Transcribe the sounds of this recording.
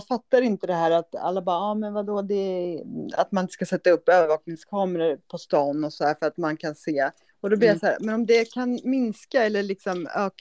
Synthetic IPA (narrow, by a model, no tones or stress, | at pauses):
fat̪ːaɾɪnt̪əd̪ɛɦæːɾat̪a̰lːabɑːɑːmɛnvad̪ɔd̪ɛ | a̰t̪manɪnt̪ə̥skasɛt̪ːaɵpːøːvəɾvɑːknɪŋskʰɑːməɾəɾpʰɔst̪ɑːnːɔsɔd̪æːɾfœɾat̪mankʰanseː | ɔd̪ɔblɪɾjasahæːɾmɛnɔmd̪ɛkʰanmɪnskaɛlːəɭɪksɔmøːk